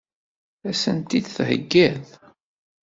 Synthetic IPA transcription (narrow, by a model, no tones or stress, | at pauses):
æsənt̪id̪θhə̰ɡːæð